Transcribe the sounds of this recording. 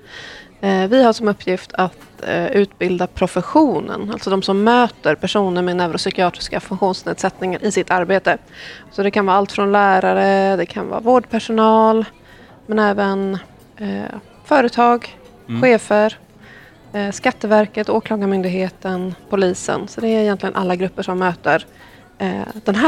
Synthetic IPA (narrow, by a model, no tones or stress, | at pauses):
vɪhaʂɔmɵpːjɪft̪ʰat̪ʉ̟ːt̪bɪld̪apʰɾʊfəɧuːnə̰nalt̪sɔd̪ɔmsɔmːøːt̪əɾpʰæʂuːnəɾmɛnɛvɾɔsʏkɪɑːt̪ɾɪ̥skafɵŋkɧuːnsnḛːd̪sɛt̪nɪŋaɾʔɪsɪt̪ːaɾbeːt̪ə | sɔd̪ɛkʰanvɑːalt̪fɾɔnlæːɾaɾəd̪ɛkʰa̰nvɑ̰ːvoːɖpʰæʂʊnɑːl | mɛnɛːvən | fœːɾət̪ʰɑːɡ | ɧeːfəɾ | ʂkat̪ːəvæɾkət̪oːkʰlɑːɡamʏnd̪ɪɡɦeːt̪ənpʰʊliːsə̰nsɔd̪ɛæɾɪjɛnt̪lɪɡənʔa̰lːaɡɾɵpːəʂɔmːøːt̪əɾ | d̪̥ɛnɦæ